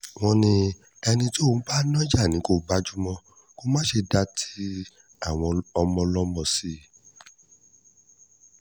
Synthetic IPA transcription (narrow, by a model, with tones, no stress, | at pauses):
w̃ɔ̃˧nĩ˧ | ɛ˧nĩ˧tõ˦˨˦ba˦nɔ̃˦d͡ʒa˦˨nĩ˨˦ko˦˨ba˦d͡ʒu˦mɔ̃˧ | ko˦mãː˦ʃe˧da˧tʰi̥˦ | a˦˨w̃ɔ̃˧ɔ˧mɔ̃˧lɔ˦mɔ̃˧si˦